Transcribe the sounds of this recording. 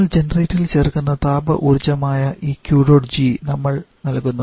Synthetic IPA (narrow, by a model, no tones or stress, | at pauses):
ld͡ʑenɐreːtːilt͡ɕe̞ːrkunːɐt̪aːbɐ̰ʔurt͡ɕːɐmaːjɐʔiːkjuːɖo̞ːɖd͡ʑiːnɐmːɐɭnɐlkunːɐ